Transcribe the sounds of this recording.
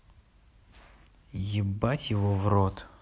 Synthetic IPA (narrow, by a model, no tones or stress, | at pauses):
jɪbatʲjɪvovrot̪